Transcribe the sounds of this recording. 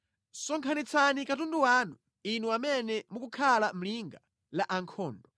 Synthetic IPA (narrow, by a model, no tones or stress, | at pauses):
sɔŋkʰanit͡sʰanikatunduwaːnu | inuamɛnɛmukukʰalam̩liŋɡa | laʔaŋkʰɔːndɔ